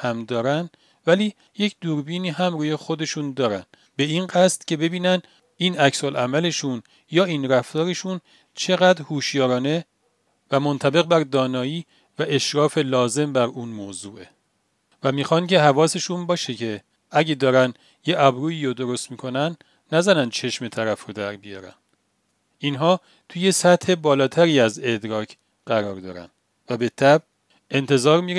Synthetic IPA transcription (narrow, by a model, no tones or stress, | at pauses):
hæmd̪ɒːɾænd̪ | væliː | je̞cʰd̪uːɾbiːniːɦæmruːje̞xo̞d̪e̞ʃuːnd̪ɒːɾæn̥ | be̞iːnɢæst̪cʰe̞be̞biːnæn | iːnæcsolʔæmæle̞ʃun | jɒːiːnɾæft̪ɒːɾe̞ʃun | t͡ʃʰe̞ɣæd̪ɾhuːʃjɒːɾɒːne̞ | væmont̪ʰæbe̞ɣbæɾd̪ɒːnɒːjiː | væʔeʃɾɒːfe̞lɒːze̞mbæɾuːnmoːzuːʔe | væmiːxɒncʰe̞ɦævɒːse̞ʃunbɒːʃecʰe̞ | æɟed̪ɒːɾæn | jeʔæbɾuːiːɾod̪o̞ɾo̞st̪miːkʰo̞nænː | æzænænd̪̥t͡ʃʰe̞ʃme̞t̪ʰæɾæfɾod̪æɾbijɒːɾæ̰n | inɦɒː | t̪ʰuje̞sæt̪he̞bɒːlɒːt̪ʰæɾiːæze̞d̪ɾɒːcʰ | ɢ̥æɾɒːɾd̪ɒ̰ːɾæ̰nd̪ | væbe̞t̪ʰæb | e̞nt̪ʰe̞zɒːɾmiɾ